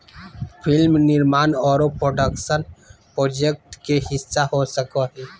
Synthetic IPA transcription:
pʰɪlmnɪɾmaːnɔːɾopɾoːɖəkʃənpɾoːd͡ʒek̚ʈkehɪsːaɦosəkoɦɛ

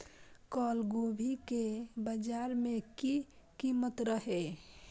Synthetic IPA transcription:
kɔlɡobʱikebəd͡ʒaɾmẽkikimət̪ɾəɦe

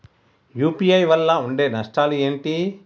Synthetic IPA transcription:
juːpijɐjʋɐlːɐuɳɖe̞ːnɐʂʈaːlueːɳʈi

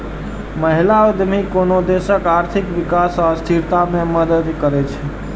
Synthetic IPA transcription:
məɦilaod̪mikonod̪esəkaɾt̪ʰikʋikasast̪ʰiɾt̪amẽməd̪əd̪kəɾɛt͡ʃʰɛ

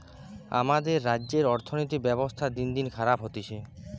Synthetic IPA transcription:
a̰mad̪eɾːadːʑeɾɔɾt̪ʰonojt̪ibɛbost̪ʰad̪ind̪inkʰaɾapɦot̪it͡ɕʰe

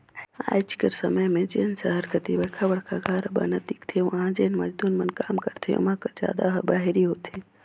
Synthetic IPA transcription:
a̰ːjt͡ʃkəɾsəməjmẽd͡ʒeːnsəɦəɾkət̪iʋəɽkʰaʋəɽkʰaɡaːɾəba̰nəd̪ikt̪ʰeʋãd͡ʒeːnmɐd͡ʒd̪uːnmənkaːmkəɾt̪ʰḛʊ̰mãkəd͡ʒja̰ːd̪aɦɐbaːɦiɾiɦoːt̪ʰe

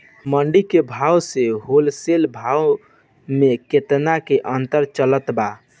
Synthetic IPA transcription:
məɳɖikebʱawseɦolselbʱaw | meket̪nakeʔənt̪əɾt͡ʃələt̪ba

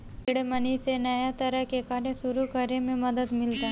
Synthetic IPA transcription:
ɪɽmənisenɐjat̪ɐɾəɦkekaːɾẽʃʊɾukɐɾemẽmɐd̪əd̪mɪld͡ʒaɦ

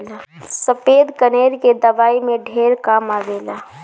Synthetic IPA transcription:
la | səped̪kəneɾked̪əbaimeɖʱeɾkamabela

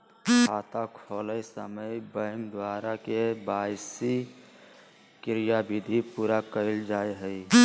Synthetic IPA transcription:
haːt̪akʰɔːləjsəməjbə̃ŋkd̪waːɾakebaɪsi | kɪɾijabid̪ʱipuɾakəɪld͡ʒaːeɦəi

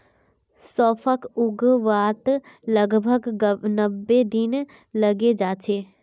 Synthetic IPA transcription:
sɔːfʰəkʊɡʋaːt̪ | ləɡbʱəɡnəbːed̪ɪn | lɐɡed͡ʒaːt͡ʃʰeː

